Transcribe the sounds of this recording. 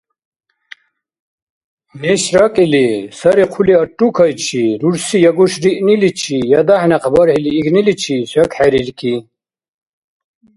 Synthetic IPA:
meɕɾɐkilisɐɾiqʰuliɐʈːukʰɐjt͡ɕʰiɾuɾsijɐɡuɕɾiʔnilit͡ɕʰijɐd̪ɐħneqʰbɐɾhiliːknilit͡ɕʰisɐkħeɾiɾkʰi

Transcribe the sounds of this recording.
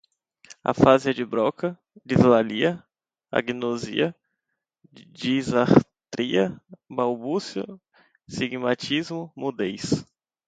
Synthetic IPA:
a̰faziɐd͡ʒɪbɾɔkɐ | d͡ʒizlaliɐ | a̰ɡinozḭɐ | d͡ʒizaɾt̪ɾiɐbawbusjʊ̰ | siɡmat͡ʃizmʊmud̪ejs

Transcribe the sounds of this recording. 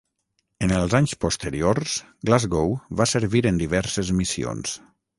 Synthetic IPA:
ənəlˠzaɲspost̪əɾioɾs | ɡlazɣowβasəɾβiɾənd̪iβɛɾsəzmisio̰ns

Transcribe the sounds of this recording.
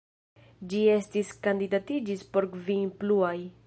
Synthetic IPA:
d͡ʒie̞stiskandidatid͡ʒispo̞ɾkvipluaj

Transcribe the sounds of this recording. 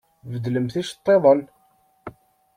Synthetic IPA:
vəd̪ləmθiʃt̪ˤːeðˤəl

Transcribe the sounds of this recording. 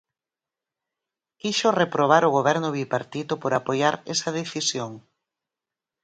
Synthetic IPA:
kiʃorepɾoβ̞aɾʊɣ̞oβɛɾnʊβipaɾt̪it̪ʊpoɾapojaɾɛsɐð̞eθisjoŋ

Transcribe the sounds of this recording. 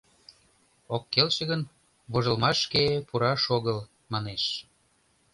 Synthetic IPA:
okːelt͡ɕə̆ɣən | βoʒəlmɑʃkepuɾɑʃoɣəl | mɑneʃ

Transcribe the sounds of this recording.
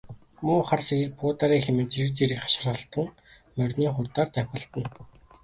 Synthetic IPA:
mʊːχarseɣɘ̆ɮpʊːt̪aɾiːxemĕt͡ɕiɘ̆kt͡seɾɘ̆kχḁʃ̆rχə̆ɬt̪ə̆ŋ | mœrʲniːχʊrt̪aːrt̪æwʲχə̆ɬt̪ə̆n

